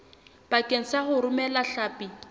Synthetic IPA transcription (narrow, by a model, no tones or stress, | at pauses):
b̥akʼen̩saχʊɾʊmɛlaɬaːpʼi